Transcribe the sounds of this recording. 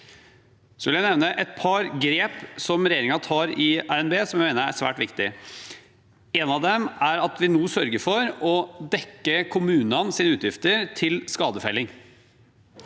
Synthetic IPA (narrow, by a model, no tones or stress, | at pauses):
sɔʋɪljæɪnɛʋnəʔɛt̪̚pʰɑɾɡɾeːpsɔmɾɛjeːɾɪŋɑt̪ʰɑːɾɪæɾɛnbeːsɔmjæmeɪnəæ̰sʋæ̰ːʈʋɪkt̪ɪ | eːnɑʋd̪ɛmæɾɑt̪ʋɪnuːsœɾɡəɾfɔɾɔd̪ɛkːəkʰʊmʉːnɑnsiːnəʉːt̪jɪft̪əɾt̪ʰɪlskɑːd̪əfæɪlɪŋ